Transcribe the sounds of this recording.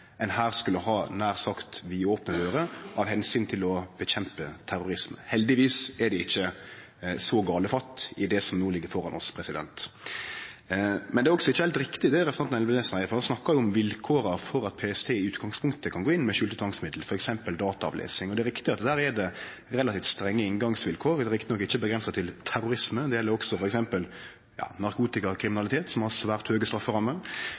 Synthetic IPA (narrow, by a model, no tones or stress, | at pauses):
ɛnhæːɾskʉlːəhɑːnæːɾsɑkt̪ʋiːoːpnəd̪øːɾəɑʋhɛnsyːnt̪ʰɪlɔb̥əçɛmpət̪ʰæɾʊɾɪsmə̰hɛld̪ɪʋiːsɛɖ̪ɛɪçːə | sɔɡɑːləfɑt̪ːɪd̪ɛsɔmnoːlɪɡːəɾfɔɾɑnɔ̰spʰɾɛsɪd̪ɛ̰nt̪ | mɛnd̪ɛɾɔksɔɪçːəhɛlt̪ɾɪkt̪ɪd̪ɛɾɛsɑnt̪ɑnɛlbnesnhæɪfɔɾhɑnsnɑkːɑjʊʊmʋɪlkʰoːɾəfɔɾɑt̪̚pʰeːɛst̪ʰeːɪʉːt̪ɡɑŋspʰʊŋkt̪əkʰɑnɡoːɪnːmɛʃʉlt̪ət̪ʰʋɑŋsmɪd̪l̩fɔɾɛksɛmpəld̪ɑːt̪ɑɑ̰ʋlḛːsɪŋɔd̪ɛɾɪkt̪ɪɑt̪d̪æːɾɛd̪ɛ | ɾɛlɑt̪iːft̪st̪ɾɛŋːəɪnɡɑŋsʋɪlkʰoːɾd̪ɛɾɪkt̪ɪnɔkːɪçːəbəɡɾɛnsɑt̪ʰɪlt̪ʰæɾʊɾɪsməd̪ɛjɛlːəɾɔksɔfɔɾɛksɛmpəl | jɑ̰ːnɑɾkʰuːt̪ɪkɑkʰɾɪmɪnɑlɪt̪ʰeːt̪sɔmɑlsɔʋæʁt̪høːɡəst̪ɾɑfːəʁɑmːə